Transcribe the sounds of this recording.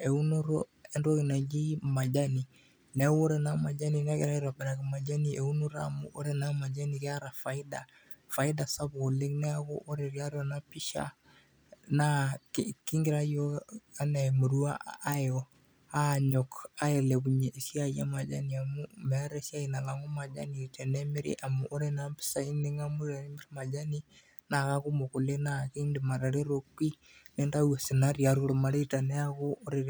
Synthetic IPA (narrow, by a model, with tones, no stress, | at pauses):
e˨u˦no˦ɾo˦ɛ˦ndɔ˦ɣi˨na˨ɡi˦ma˨d͡ʒa˦ni˨ | nɛ˨˦wo˦ɾɛ˨na˦ma˨d͡ʒa˦ni˨na˦kɛ˨ɾa˦i˦ɾa˨bɛ˨ɾa˨ki˨ma˨d͡ʒa˦nie˨u˦no˦ɾamṵ˦ʔo˦ɾɛ˨na˦ma˨d͡ʒa˦ni˨kɛ˦a˦ɾa˨fa˨i˦da̰˨ | fa˨i˦da˨sa˦bo˨le˦ŋnɛ˦a˦ɡo̰˦ʔo˦ɾɛ˨ki˦a˦ɾɔ˨na˦pi˦ʃa̰ | na˦ki˦ŋɡi˨ɾa˦jɔ˦a˦na˨mu˨ɾu˦a˦a˦jɔ | a˦ɲɔka˦eleβuɲeʔːsja˦ia˦mad͡ʒaniamumeɾe˦sja˦ina˨la˨ŋo˦ma˨d͡ʒa̰˦nitʰe˨ne˦me˦ɾḛʔa˨muʔo˦ɾenampi̥˦sa˦i˦neŋa˦mu˦ɾane˦meɾema˨d͡ʒa˦ni | na˨ɣa˦ku˦moko˨lenaki˦ndema˨ɾa˨ɾe˦ɾokwi˦ | ne˦nda˦uwa˨sena˦ɾiaɾoɾo˨maɾeita˨ne˦aɣo˦oɾe